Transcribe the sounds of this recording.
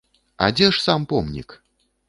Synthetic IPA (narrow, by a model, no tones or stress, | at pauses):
a̰d͡zʲɛʂsampɔmnʲḭk